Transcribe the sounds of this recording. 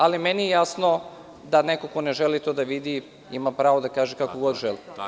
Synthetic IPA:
alimenijejasno | d̪anekoko̞neʒelit̪oːd̪aʋid̪i | imapɾaːʋod̪akaːʒekakoɡo̞d̪ʒeli

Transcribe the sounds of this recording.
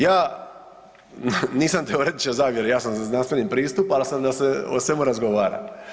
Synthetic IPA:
jaː | niːsamt̪eoɾed̪it͡ʃezaːʋjeɾejaːsamzaznant̪ʋeʎʲimpɾiːst̪upalsamd̪aseo̰sʋe̞muɾazɡoʋaːɾa̰

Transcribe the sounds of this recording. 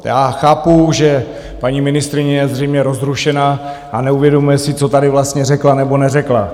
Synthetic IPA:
jaːxaːpuʒɛ | paɲimɪnɪst̪ɾɪɲɛjɛzrɛjmɲɛɾo̞zɾuʃɛnaʔanɛuvjɛdo̞mujɛsɪt͡so̞t̪adɪvlast̪ɲɛrɛklanɛbo̞nɛrɛkla

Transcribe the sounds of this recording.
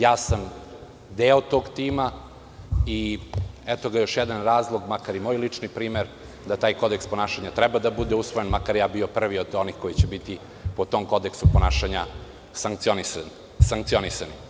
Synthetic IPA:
jaːsam | d̪eːot̪o̞ɡt̪iːma | iɛt̪o̞ɡajo̞ʃjɛd̪anɾaːzlˠoɡmakaɾimoːjlit͡ʂnipɾiːmeɾ | d̪at̪aːjko̞d̪ekspo̞naːʃaɲat̪ɾɛbad̪abud̪eusʋojenmakaɾjaːbiopr̩ʋio̞d̪o̞nixko̞jit͡ɕebit̪i | pot̪o̞mko̞d̪eksuponaːʃaɲa | saŋkt̪sionisan | saŋkt̪sionisani

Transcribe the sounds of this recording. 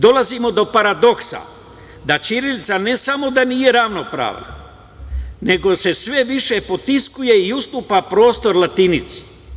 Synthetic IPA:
d̪o̞lazimo̞d̪o̞paɾad̪o̞ksa̰ | d̪at͡ʃiɾelt̪sane̞samo̞d̪anije̞ɾaʋno̞pɾa̰ːʋna̰ | ne̞ɡo̞se̞sʋe̞ʋiʃe̞po̞t̪iskuje̞iust̪uːpapɾo̞ːst̪o̞ɾlˠat̪init̪si̥

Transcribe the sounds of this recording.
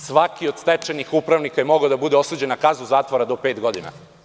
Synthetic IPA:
sʋakio̞d̪st̪et͡ʃenixupɾaʋnikajemo̞ɡaod̪abud̪eosuːd͡ʑe̞nakazuzaːt̪ʋo̞ɾad̪o̞peːt̪ɡo̞d̪ina̰

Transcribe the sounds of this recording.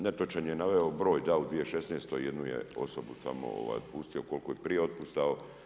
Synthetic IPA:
net̪ot͡ʃaɲjenaʋeobɾo̞ːjd̪aud̪ʋije̞ʃesneːst̪ojed̪nujḛo̞̰so̞busa̰mo̰o̰ʋa̰jd̪pust̪io̞ko̞lko̞jepɾijeo̞t̪̚pust̪ao

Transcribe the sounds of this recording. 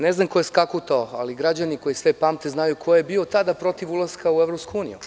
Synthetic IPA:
neznamko̞jeskakut̪aoa̰liɡɾad͡ʑaniko̞jisʋepaːmt̪eznajukʰojebiot̪ad̪apɾo̞t̪iʋulˠaskaueʋɾopskuuːnijṵ

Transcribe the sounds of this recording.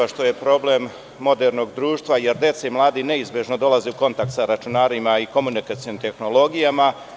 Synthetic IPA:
aʃt̪o̞je̞pɾo̞ble̞mː | o̞d̪e̞ɾno̞ɡd̪ɾuːʃt̪ʋaje̞ɾd̪je̞t̪seimlˠaːd̪ine̞izbje̞ʒno̞d̪o̞lazeuko̞nt̪ak̚t̪saɾat͡ʃunaːɾimaiko̞munikat̪sionimt̪e̞xno̞lo̞ɡijama

